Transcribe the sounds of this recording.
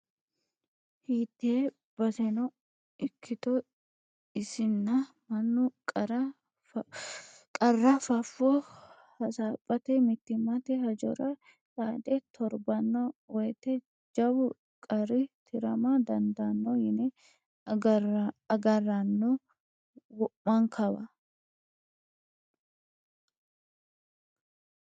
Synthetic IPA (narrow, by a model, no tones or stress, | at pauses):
hiːt̪ːeː | b̥ɐsɛnɔ | ɪkʰːɪt̪ɔ | ɪsɪnːɐ | mɐnːʊkʼ | kʼɐrːɐfɐfːɔ | hɐsaːpʼːɐt̪ɛmɪt̪ːɪmɐt̪ɛhɐd͡ʒɔ̰ɾɐ | sʼaːd̪ɛt̪ʰɔɾbɐnːowɛjt̪ɛ | d͡ʒɐbʊ | kʼɐɾɪt̪ʰɪɾɐmad̪ɐnd̪ɐnːojɪnɛ | ɡɐrːɐnːo | wɔʔːɐŋkʰɐbɐ